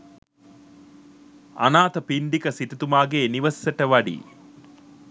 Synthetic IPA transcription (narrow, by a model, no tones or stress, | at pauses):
ɐ̰naːt̪ɐpiɳɖikɐsiʈɐt̪umaːɡeːniʋɐssɐʈɐʋɐɖḭː